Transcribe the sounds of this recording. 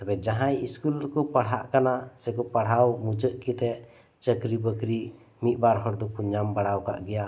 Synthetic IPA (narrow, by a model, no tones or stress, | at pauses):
t̪abɛd͡ʒaɦãjiskulɾɛkɔpaɽ̤ɦaʔkanasɛkɔpaɽ̤awmud͡ʒəʔkit̪ɛʔ | t͡ʃəkɾibəkɾi | mit̪̚ˀbaɾɦɔɾd̪ɔkuɲambaɽawka̰ʔɡɛja